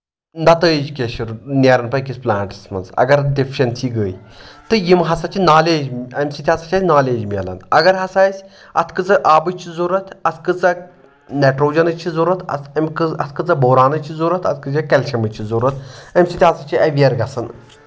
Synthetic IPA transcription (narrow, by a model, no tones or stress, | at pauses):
nd̪ɐt̪əːed͡ʒukʲeʃɐɾnʲeɾɐnpɐkisplaːnʈɨ̥smɐ̰nzɐ̰ɡɐɾdifʰi̥ʃɐnsiɡəːj | t̪ɨjimɦɐsɐt͡ʃʰinaːleːd͡ʒɐmʲsit̪ʰʲihɐsɐt͡ʃʰɐːsʲnaːleːd͡ʒmʲɐ̰lɐ̰nɐɡɐɾɦɐsaːjsʲ | ɐ̰t̪ʰkɨt͡sɐʔaːbɨt͡ʃʰizuɾɐt̪ʰɐt̪ʰkɨt͡sɐ | neʈɾoːd͡ʒɐnɐt͡ʃʰizuɾɐt̪ʰɐ̰ɐmʲkɨɐt̪ʰkɨt͡sɐboːɾaːnɐt͡ʃʰizuɾɐt̪ʰɐt̪̚ʰkɨd͡ʒɐkɐlʲʃɐmɨt͡ʃʰizuɾɐt̪̚ʰɐmʲsʲit̪ʲiɦɐsɐt͡ʃʰiɐʋiɐɾɡɐsɐn